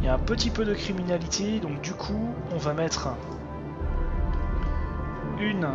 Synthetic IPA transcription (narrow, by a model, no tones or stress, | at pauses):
ljaɛ̃pət̪ipød̪əkχiminalit̪ʰed̪ɔ̃k̚d̪ykʰu | ɔ̃vamɛt̪χ | yn